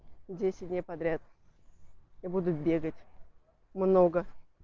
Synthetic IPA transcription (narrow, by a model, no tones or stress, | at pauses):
dʲesʲɪt̚ʲdʲnʲejpɐd̪ɾʲat̪̚ | ibud̪ʊt̪̚bʲe̞ɡətʲ | mno̞ɡə